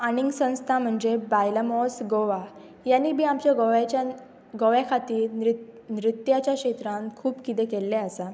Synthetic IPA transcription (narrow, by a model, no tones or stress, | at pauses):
añiŋɡsə̃w̃st̪ʰam̤əɳd͡ʑebajləmɔsɡoʋa | janːiːbiːamt͡ɕjaɡoʋat͡ɕa | ɡoʋjakʰat̪iːɾ | nɾit̪jat͡ɕjakɕet̪ɾãŋkʰuːbkit̪ẽkelːeasa